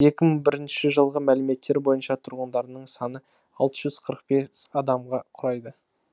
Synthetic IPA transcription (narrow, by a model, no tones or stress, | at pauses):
je̞kʲɪməɴbɪɾɪnʃɪʒəlˠʁəmælɪme̞t̪ːe̞ɾbo̞jənʃɑt̪ʰʊɾʁənd̪ɑɾnəɴsɑnə | ɑlˠt̪əʒʏz̥qʰəɾəq̚be̞ɑd̪ɑmʁɑqʰʊɾɑjd̪ə